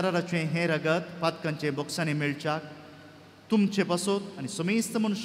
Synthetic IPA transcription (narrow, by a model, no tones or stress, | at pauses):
əɾaɾat͡ɕẽɦẽɾəɡət̪pat̪kãɲt͡ɕẽbɔksãnemiɭt͡ɕak̚ | t̪umt͡ɕepasot̪anisomist̪əmənuɕ